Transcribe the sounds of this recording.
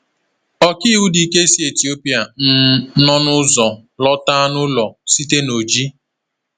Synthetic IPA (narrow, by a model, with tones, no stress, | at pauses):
ɔ˦ki˦u˦di˨ke˦si˦e˨ti˨o˦pi˦a˨n̩˦nɔ˦nʊ˦zɔ˨lɔ˦ta˦nʊ˦lɔ˨si˦te˦no˨d͡ʒi˦